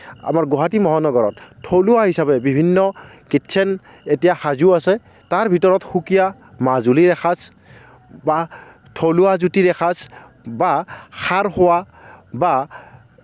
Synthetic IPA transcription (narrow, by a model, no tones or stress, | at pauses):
a̰maɹɡoɦatimɔɦanɔɡɔɹɔ̰ttʰoluaɦisabɛbibʱinːɔkitsʰɛn | etijaxazuasɛ | taɹbʱitɔɹɔtxukija | mazuliɹɛxʰas | ba | tʰoluazutiɹɛxʰas | baxaɹxʊwa | ba